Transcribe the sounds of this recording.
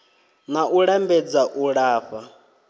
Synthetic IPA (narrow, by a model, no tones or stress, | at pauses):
naʔuɺambɛd͡zaʔuɺaːɸa